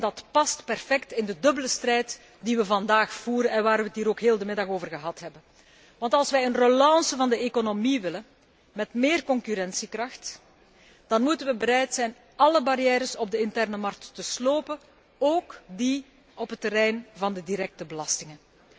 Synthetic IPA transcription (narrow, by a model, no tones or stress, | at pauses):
ɛndɑtpɑstpɛrfɛktɪndədɵbələstrɛjt | diʋəvɑndaːxfuːɾənɛnʋaːrʋətɦiːɾoːkɦeːlˠdəmɪdɑxoːvərɣəɦɑtɦɛbən | ʋɑntɑlˠsʋɛjənrolɑːsəvɑndəekonomiʋɪlən | mɛtmeːrkɔŋkyɾɛnsikrɑxt | d̥ɑnmutənʋəbəɾɛjtsɛjn | ɑləbaɾjɛːɾəsɔb̚dəɪntɛrnəmɑrk̚tːəsloːpə | oːkdi | ɔpɦətːəɾɛjnvɑndədiɾɛk̚təbəlɑstɪŋən